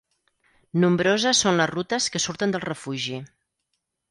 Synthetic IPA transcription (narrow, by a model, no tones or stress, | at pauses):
numbɾozəsonləzrut̪əskəsuɾt̪ənd̪əlˠrəfuʒi